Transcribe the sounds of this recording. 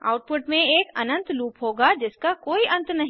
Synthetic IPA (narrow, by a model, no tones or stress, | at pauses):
a̰ːʊʈ̚pʊʈmẽeːkɐnə̃nt̪luːpɦoːɡad͡ʒɪskakoːiʔɐ̃nt̪nɐɦĩ